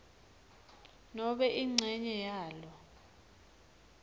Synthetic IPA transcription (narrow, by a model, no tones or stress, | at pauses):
nɔɓɛʔiŋ͡ǀʱɛɲɛjaːlɔ